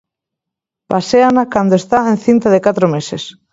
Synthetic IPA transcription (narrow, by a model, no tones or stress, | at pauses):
paseanakand̪oest̪aẽnθint̪aðekat̪ɾomeses